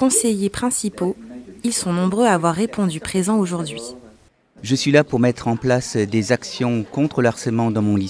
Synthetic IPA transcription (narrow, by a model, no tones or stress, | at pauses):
kɔ̃sejepχɛ̃sipoilsɔ̃nɔ̃bʁøaːvwaʁːepʰɔ̃d̪ypχezɑ̃oʒuʁd̪ɥi | ʒəsɥilapuʁmɛt̪χɑ̃plasd̪ezaksjɔ̃kɔ̃t̪χəlaʁsɛlmɑ̃d̪ɑ̃mɔ̃li